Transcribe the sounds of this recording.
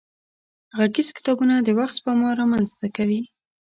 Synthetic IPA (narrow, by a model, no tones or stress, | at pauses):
ɣaɡizkɪ̥t̪ɑbunad̪əwaxt̪pəmɑɾɑmanzt̪akawi